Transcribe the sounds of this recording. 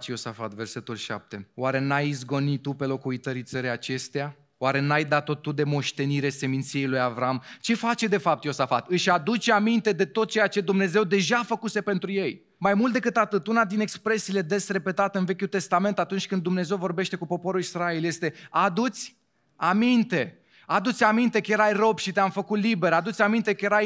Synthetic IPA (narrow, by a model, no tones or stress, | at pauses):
t͡ʃjo̞safat̪ve̞rse̞t̪ulʃa̰p̚t̪e̞waɾe̞najizɡo̞nit̪ːupe̞lo̞kuit̪əɾit̪səɾejat͡ʃe̞st̪eja | waɾe̞najd̪at̪o̞t̪ud̪e̞mo̞ʃt̪e̞niɾe̞se̞mint̪sije̞jlujavɾamt͡ʃe̞fat͡ʃe̞d̪e̞fap̚t̪jo̞safat̪ɨʃʲad̪ut͡ʃeamint̪e̞d̪e̞t̪o̞t̪̚t͡ʃe̞jat͡ʃe̞d̪umne̞ze̞wd̪e̞ʒafəkuse̞pe̞nt̪ɾuje̞j | majmult̪d̪e̞kɨt̪at̪ɨt̪unad̪ine̞kspɾe̞siːle̞d̪e̞sre̞pe̞t̪at̪eɨnve̞kʲult̪e̞st̪ame̞nt̪at̪unt͡ʃʲkɨnd̪umne̞ze̞wvo̞rbe̞ʃt̪e̞kupo̞po̞ɾulisɾaelje̞st̪e̞ad̪ut̪sʲ | amint̪e̞ | ad̪ut̪sʲamint̪e̞kəjeɾajro̞bʃit̪eamfəkut̪libe̞ɾad̪ut̪sʲamint̪e̞kəje̞ɾaj